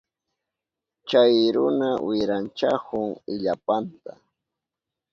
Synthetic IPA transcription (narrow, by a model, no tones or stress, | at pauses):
t͡ʃajɾʊnawɪɾant͡ʃakʊŋɪʎapant̪a